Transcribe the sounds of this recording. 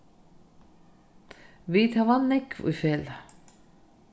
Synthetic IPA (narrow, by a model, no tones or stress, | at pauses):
viðhavanːɪkvṵfɛːla